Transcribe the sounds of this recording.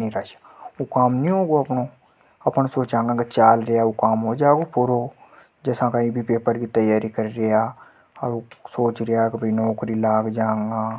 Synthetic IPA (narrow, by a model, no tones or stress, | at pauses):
ĩɾəʃḁ | okaːmnĩɦoːɡoɐpno | ɐpnasoːt͡ʃãːŋɡãket͡ʃaːlɾejaokaːmɦod͡ʒaːɡopʰʊɾo | d͡ʒɛːsãkɐɦĩbʱipeːpəɾkit̪ɐjaːɾikəɾɾejaː | ɔːɾosoːt͡ʃɾɪjakebʱɐinɔːkɾilaːɡd͡ʒãːŋɡãː